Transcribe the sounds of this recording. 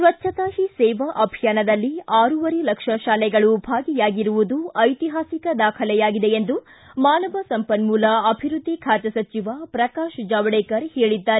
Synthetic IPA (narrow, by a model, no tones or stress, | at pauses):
sʋɐt͡ʃʃʰɐt̪aːɦisɛːʋɐʔɐbʱijaːnɐd̪ɐlːiaːɾuʋɐɾelɐkʂɐʃaːlɛɡɐɭubʱaːɡijaːɡiɾuʋud̪uɐjt̪iɦaːsikɐd̪aːkʰɐlɛjaːɡid̪eend̪u | maːnɐʋɐsɐmpɐnmuːlɐɐbʱiɾud̪ʱːikʰaːt͡ʃɐsɐt͡ʃiʋapɾɐkaːʃd͡ʒaːʋɐɽeːkɐɾheːɭid̪ːaːɾe